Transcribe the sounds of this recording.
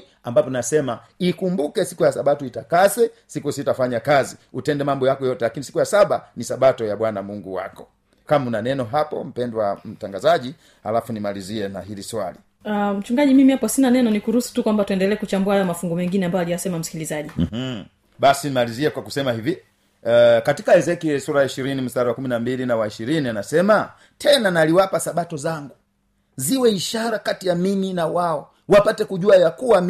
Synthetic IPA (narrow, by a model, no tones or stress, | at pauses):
ambapɔnasɛma | ikumbukɛsi̥kujasaɓatɔitakazɛsikusitafaɲakaziutɛndɛmambɔjakɔjɔtɛlakinisi̥kujasaɓanisaɓatɔjaɓwanamuŋɡuwa̰kɔ | kamunanɛnɔɦapɔ̰m̩pɛndwam̩taŋɡazaʄi | halafunimaliziɛnaɦiliswali | am̩t͡ʃuŋɡaʄimimihapɔsinanɛnɔnikuɾusu̥tukwambatuɛndɛlɛːkut͡ʃambuahajɔmafuŋɡɔmɛŋɡinɛambajalijasɛmam̩si̥kilizaʄi | ɓasinimaliziɛkwakusɛmahivi | katikaɛzɛkijɛsuɾaiʃiɾinim̩staɾiwakuminambilinawaiʃiɾinianasɛma | tʰɛnanaliwapasaɓatɔzaŋɡu | ziwɛiʃaɾakatijamiminawaɔ | wapatɛkuʄuajakuwam